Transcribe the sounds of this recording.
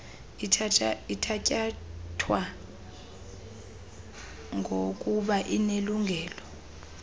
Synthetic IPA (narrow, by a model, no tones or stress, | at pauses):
iaitʰacʼatʰwa | ŋok̬ʼuɓaʔineluŋʱɛːlɔ